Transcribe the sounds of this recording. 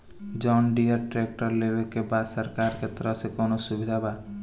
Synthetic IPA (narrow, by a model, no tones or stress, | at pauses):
d͡ʒɔːnɖiəɾʈɾek̚ʈəɾlebekebaːd̪səɾkaɾket̪əɾəɦsekɔːnosubid̪ʱaba